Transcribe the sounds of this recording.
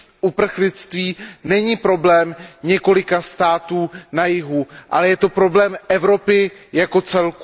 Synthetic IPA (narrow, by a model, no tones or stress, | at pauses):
ʔupr̩xlɪt͡st̪viːnɛɲiːpɾo̞blɛːmɲɛko̞lɪkast̪aːt̪uːnajɪɦuʔalɛjɛt̪o̞pɾo̞blɛːmʔɛvɾo̞pɪjako̞t͡sɛlku